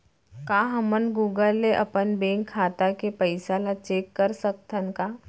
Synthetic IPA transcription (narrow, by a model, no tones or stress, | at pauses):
kãːɦɐmənɡuːɡəlːeʔɐ̰pənbẽːŋkʰːaːt̪akepəɪsalat͡ʃeːkːəɾsək̚t̪ʰənkaː